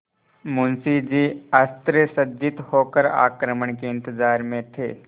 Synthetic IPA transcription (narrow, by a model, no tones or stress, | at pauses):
mʊnsid͡ʒiːɐst̪ɾəsəd͡ʒɪt̪hoːkəɾa̰ːkɾəməɳkeɪ̃nt̪əzaːɾmẽt̪ʰḛː